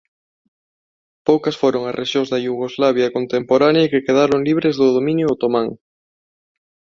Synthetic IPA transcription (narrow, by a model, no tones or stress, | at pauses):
powkɐsfoɾoŋɐzrʔeʃjoŋzðɐjuɣ̞ozlaβ̞jɐkont̪empoɾanjɐikekeðaɾoŋliβɾezðʊðomĩnjʊot̪omãŋ